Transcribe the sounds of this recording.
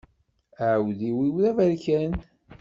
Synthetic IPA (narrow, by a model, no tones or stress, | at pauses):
əʕəwðiwiwðævæɾkæn